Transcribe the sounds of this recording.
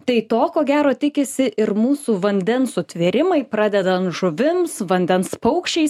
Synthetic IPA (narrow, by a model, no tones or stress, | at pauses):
t̪ɐɪt̪oːkoːɡʲæːɾoːt̪ʲɪkʲɪsʲɪʔɪɾmuːsuːʋɐnʲd̪ʲɛnsʊt̪ʲʋʲɪɾʲɪmɐɪpɾɑːd̪ʲɛd̪ɐnt̪ʒʊʋʲɪmsʋɐnʲd̪ʲɛnspɐʊkʃʲt͡ʃʲɛɪs